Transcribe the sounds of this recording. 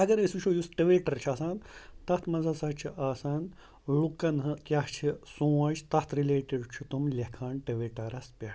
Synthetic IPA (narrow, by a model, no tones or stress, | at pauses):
ɐɡɐɾesut͡ʃʰojusʈɐʋeːʈɐɾt͡ʃʰaːsaːnt̪ɐht̪ʰmɐzasɐt͡ʃʰiʔaːsaːn | lukːɐnɦɨkʲjaht͡ʃʰisũːɐt͡ʃʰt̪ɐht̪ʰɾileːʈiɖt͡ʃʰut̪umlʲekʰaːɳʈɐʋeːʈɐɾɐspʲeʈ